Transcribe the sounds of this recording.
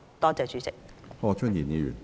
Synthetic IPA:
t̪ɔː˥t͡sɛː˨˧t͡ʃyː˨˥sɪ̰˨k̚hɔ˥˧t͡ʃʰə˥˧niː˨˩ni˨˧y̰˨˩n

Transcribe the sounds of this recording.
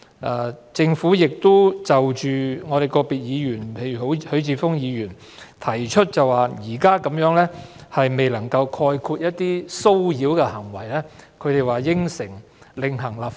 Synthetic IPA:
ʔaː˨˧t͡sɪ˧ŋfuː˨˥jɪ˨k̚t̪ʊ˥wt͡sɐ˨wt͡ʃyː˨ŋɔː˨˧ɾe˨jkɔː˧piː˨t̚jiː˨˧jyː˨˩npʰe˨jɥyː˨˩ɦo˨˥whɵ˨˥ɥt͡siː˧fʊ˥ŋjiː˨˧jyː˨˩n | t̪ʰɐ˨˩jt͡ʃʰɵ˥t̚t͡sɐ˨waː˨jiː˨˩kaː˥kɐ˨˥mjœː˨˥ŋlɛː˥hɐ˨jme˨jlɐ˨˩ŋkɐ˧wkʰɔː˧jkʰuː˧t̚jɐ˥t̚t̪iː˥so˥wjiː˨˧˥wkɛː˧hɐ˨˩ŋwɐ˨˩jlɛː˥kʰɵ˧ɥɾe˨˩jwaː˨˩jɪ˥ŋsɪ˨˩ŋ | lɪ˨˧ŋɦɐ˨˩ŋlaː˨

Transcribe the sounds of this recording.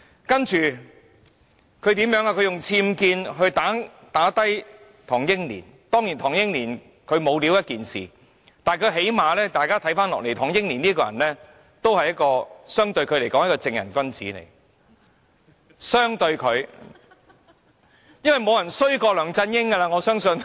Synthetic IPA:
kɐ˥nt͡ʃyː˨ | kʰɵ˨˧ɥt̪iː˨˥mjœː˨˥ŋaː˧kʰɵ˨˧ɥjʊ˨˩ŋt͡sʰiː˧mkiː˧nɦɵ˧ɥt̪aː˨˥ | t̪aː˨˥t̪ɐ˥j | t̪ʰɔː˨˩ŋjɪ˥ŋlḭː˨˩n | t̪ɔː˥ŋjiː˨˩nt̪ʰɔː˨˩ŋjɪ˥ŋliː˨˩n | kʰɵ˨˧ɥmo˨˧wliː˨˥wjɐ˥t̚kiː˨nsḭː˨˩ | t̪aː˨nkʰɵ˨˧ɦe˨˥jmaː˨lɛː˥t̪aː˨jkaː˥t̪ʰɐ˨˥jfaː˥nlɔː˨k̚le˨˩jt̪ʰɔː˨˩ŋjɪ˥ŋliː˨˩nliː˥kɔː˧˨jɐ˨˩nlɛː˥ | t̪o˥whɐ˨jɐ˥t̚kɔː˧sœː˥ŋt̪ɵ˧ɥkʰɥle˨˩kɔ˨˥ŋjɐ˥kɔː˧t͡sɪ˧ŋjɐ˨˩nkʷɐ˥nt͡sḭː˨˥nḛ˨˩j | sœː˥ŋt̪ɵ˧ɥkʰɵ˨˧ɥ | jɐ˥nwɐ˨jmo˨˧wjɐ˨˩nsɵ˥ɥkɔː˧lœː˨˩ŋt͡sɐ˧njɪ˥ŋkɐ˧laː˧ŋɔː˨˧sœː˥ŋsɵ˧n

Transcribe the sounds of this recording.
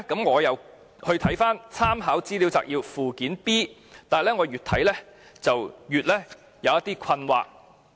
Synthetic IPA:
kɐ˨˥mŋɔː˨˧jɐ˨˧w | hɵ˧ɥt̪ʰɐ˨˥jfaː˥nt͡sʰaː˥mɦaː˨˥wt͡siː˥li˨˥wt͡sa̰ː˨k̚jiː˧wfuː˨kiː˨˥npiː˥t̪aː˨˩jlɛː˥ŋɔː˨˧jyː˨t̪ʰɐ˨˥jlɛː˥t͡sɐ˨wjyː˨t̚lɛː˥ | jɐ˨˧wjɐ˥t̪iː˥kʷʰɐ˧nwa̰ː˨k̚

